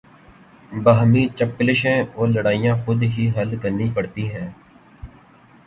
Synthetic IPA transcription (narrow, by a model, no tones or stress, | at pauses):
bəɦmĩːt͡ʃəp̚ːlɪʃɛ̃ːɔːɾləɽaːijãːxʊd̪ɦiːɦɐlkəɾnipəɽt̪iɦɛ̃ː